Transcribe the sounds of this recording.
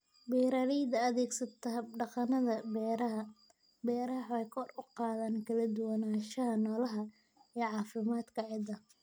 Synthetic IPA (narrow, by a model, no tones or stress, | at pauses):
biːɾaːɾɛjd̪ɐɐðɛːɡsɐt̪ʰɐɖɑqɑnɐðɐbɛːɾɐɦɐ | bɛːɾɐɦħɛjkʰɔrʊqɑːðaːnkʰɐlɐd̪ʊwɐnaːʃɐɦɐnɔːlɐɦɐ | iːʕɑːfɪmaːd̪kʰɐʕɪd̪ɐ